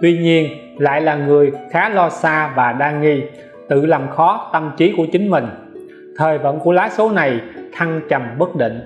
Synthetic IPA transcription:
t̪wi˧ɲi˧ən | la̰ː˧˨jlaː˨˩ŋɨ˨˩əjxaː˨˦lɔ˧saː˧vaː˨˩ɗaː˧ŋi˧ | t̪ɨ̰˧˨laː˨˩mxɔ˨˦t̪ə˧mt͡ɕi˨˦ku˧˩ət͡ɕï˨˦ŋ̟mï˨˩ŋ̟ | t̪ʰəː˨˩jvə̰˧˨nku˧˩laː˨˦so˨˦na˨˩jt̪ʰa˧ŋt͡ɕə˨˩mɓə˦˥k̚ɗḭ˧˨ŋ̟

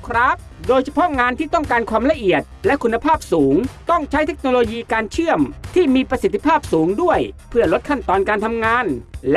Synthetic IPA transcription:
kʰɾa˦˥p̚doː˧jt͡ɕʰa˧pʰɔ˦˥ŋaː˧nt̪ʰiː˥˩t̪ɔ˥˩ŋkaː˧nkʰwaː˧mla˧ʔi˨˩ət̪̚lɛ˦˥ʔkʰu˧nːa˧pʰaː˥˩p̚suː˩˦ŋt̪ɔ˥˩ŋt͡ɕʰa˦˥jt̪ʰe˦˥k̚noː˧loː˧jiː˧kaː˧nt͡ɕʰɯ˥˩əmt̪ʰiː˥˩miː˧pɾa˧si˨˩t̪ʰːi˧pʰaː˥˩p̚suː˩˦ŋdu˥˩əjpʰɯ˥˩ɐlo˦˥t̪̚kʰa˥˩nt̪ɔː˧nkaː˧nt̪ʰa˧mŋaː˧nl

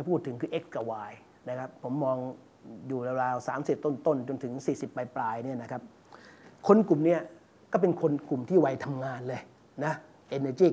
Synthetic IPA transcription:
a˧˩pʰuː˥˩t̪ʰːɯ˨˩˦ŋkʰɯː˧ʔe˦˥k̚ska˧waː˧j | na˦˥kʰa˦˥pʰːo˩˦mːɔː˧ŋ | juː˨˩ɾa˧ɾaː˧wsaː˩˦msi˨˩p̚t̪o˥˩nt̪o˥˩nt͡ɕo˧nt̪ʰɯ˩˦ŋsiː˨˩si˨˩pːa˧jplaː˧jni˥˩ɐna˦˥kʰa˦˥p̚ | kʰo˧nku˨˩mni˥˩ɐ | kɔː˥˩pe˧nkʰo˧nku˨˩mt̪ʰiː˥˩wa˧jt̪ʰa˧mŋaː˧nlɤː˧j | na˦˥ | ʔe˧nəː˧t͡ɕiː˥˩

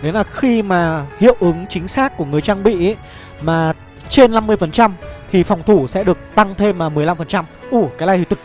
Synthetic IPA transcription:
le˨˦naː˨˩xi˧maː˨˩hḭ˧˨əwʔɨ˨˦ŋt͡ɕï˨˦ŋ̟saː˦˥k̚kːu˧˩əŋɨ˨˩əjt͡ɕaː˧ŋɓḭ˧˨˦ | maː˨˩ | t͡ɕe˧nːa˧mːɨ˧əjfə˨˩nt͡ɕa˧mt̪ʰi˨˩fa˨˩wŋ͡mt̪ʰu˧˩sɛ̰˧˥ɗɨ˨˩ək̚t̪a˧ŋt̪ʰe˧mlaː˨˩mɨ˨˩əjla˧mfə˨˩nt͡ɕa˧mʔu˧˩kaː˨˦laː˧˩t̪i˨˧˩t̪u˨˩

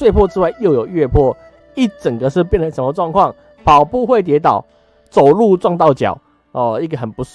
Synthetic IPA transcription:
swe˥˧ɪpʰwɔ˥˧t͡sɻ̩˥wa˥˧ɪjo˥˩ʊjo˨˩ʊɥɛ˥˧pʰwɔ˥˨ | i˥˩t͡sə˨˩ŋɡə˩ʂɻ̩˥˧p̬jɛ˥˨nlə˨˩nʂə˧˦nmə˧ʈ͡ʂwɑ˥˧ŋkʰwɑ˥˩ŋ | pʰɑ˨˩ʊpu˥˧xwe˥˩ɪt̪jɛ˧˥t̪ɑ˨˩˦ʊ | t͡so˨˩ʊlu˥˧ʈ͡ʂwɑ˥˧ŋt̪̬ɑ˥˩ʊt͡ɕjɑ̰˨˩˦ʊ | ɔ˥˧i˥˩ɡə˨˩xə˨˩npu˧˥

